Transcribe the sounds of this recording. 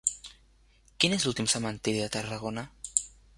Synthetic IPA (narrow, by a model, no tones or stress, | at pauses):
kinezlulˠt̪imsəmant̪iɾiðət̪əraɣona